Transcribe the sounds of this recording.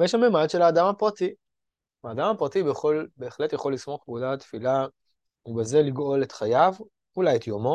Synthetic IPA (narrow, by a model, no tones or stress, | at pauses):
jeʃamemadʃe̞laːdamapʁat̪i | aːdamapʁatibeχo̞lbeːχle̞t̪jaχo̞lːismo̞χɡudat̪fila | ubeze̞liɡo̞letχajav | ulajet̪jomo̞